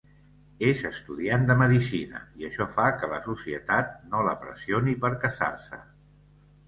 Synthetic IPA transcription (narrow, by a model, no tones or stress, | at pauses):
ezəst̪uðiand̪əməðisinə̰iəʃɔfakələsusiət̪at̪̚noləpɾə̰sionipəɾkəsa̰rsə̰